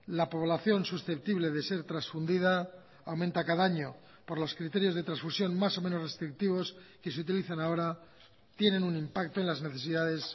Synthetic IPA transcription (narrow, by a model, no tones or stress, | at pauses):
lapo̞β̞laθjo̞nsusθe̞p̚t̪iβle̞ðe̞se̞ɾt̪ɾasfund̪iðaː | awmẽnt̪akaðaaɲo̞ | po̞ɾlo̞skɾit̪e̞ɾjozðe̞t̪ɾasfusjo̞nmaso̞menore̞st̪ɾik̚t̪iβ̞o̞ske̞seut̪̬iliθanao̞ɾa | t̪je̞ne̞nunimpak̚t̪oe̞nlazne̞θe̞siðaðe̞s